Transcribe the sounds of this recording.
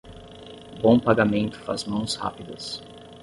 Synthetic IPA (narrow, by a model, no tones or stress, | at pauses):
bõw̃paɡamẽnt̪ʊ̥fa̰zmɐ̃w̃sha̰pid̪ɐs